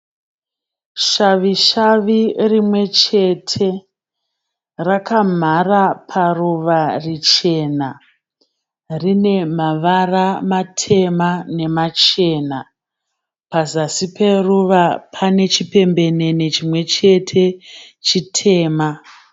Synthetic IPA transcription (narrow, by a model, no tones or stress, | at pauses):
ʃaʋiʃaʋirimwe̞t͡ʃe̞tʰe̞ | rakam̤arapʰaruʋarit͡ʃe̞na | rine̞maʋaramatʰe̞mane̞mat͡ʃe̞ːna | pazasipe̞ruʋapʰane̞t͡ʃipe̞mbe̞ne̞net͡ʃimwe̞t͡ʃe̞tʰe̞t͡ʃitʰe̞ːma